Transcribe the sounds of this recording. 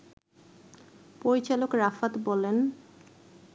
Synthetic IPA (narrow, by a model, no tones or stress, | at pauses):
poɾit͡ɕalokɾafat̪bɔlen